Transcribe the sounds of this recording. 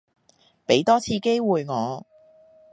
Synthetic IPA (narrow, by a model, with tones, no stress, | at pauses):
pe˨˥jt̪ɔː˥t͡sʰiː˧ke˥jwuː˨jŋɔː˨˧